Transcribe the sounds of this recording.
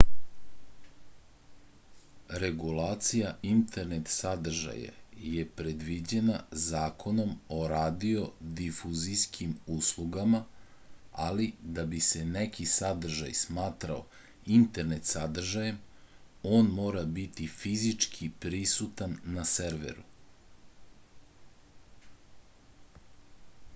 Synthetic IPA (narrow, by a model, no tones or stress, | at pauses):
ɾe̞ɡulaːt̪sijaint̪e̞ɾnet̪sad̪r̩ʒa̰ja̰je̞pɾed̪ʋid͡ʑe̞nazaːkʰo̞no̞mo̞ɾaːd̪io̞d̪ifuziskʰimuslˠuɡama | alid̪abise̞nekʰisad̪r̩ʒa̰jsmaːt̪ɾao̰ | int̪e̞ɾnet̪sad̪r̩ʒajem | oːnmo̞ːɾabit̪ifizit͡ʂkʰipɾisut̪anːaseɾʋḛɾu